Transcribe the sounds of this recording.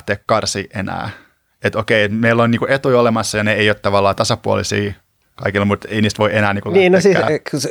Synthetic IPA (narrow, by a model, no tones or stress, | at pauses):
t̪ːeːkkɑrsiːʔʔenæ̰ː | et̪okeiet̪meilːoniːkuet̪ujolemɑsːɑjɑneeijoːt̪t̪ɑʋɑlːɑːt̪ɑsɑpuo̰lisḭː | kɑikilːmut̪einiːst̪ʋoiʔenæːniːkuniːnosiːæskus